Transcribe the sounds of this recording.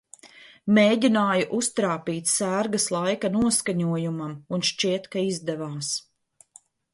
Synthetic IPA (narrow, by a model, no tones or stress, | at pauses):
meːɟinaːjuʔust̪ɾaːpiːt̪sæːɾɡɐslˠajkanuɔskaɲuɔjumamunʃt͡ʃiɛt̪kaizd̪ɛvaːs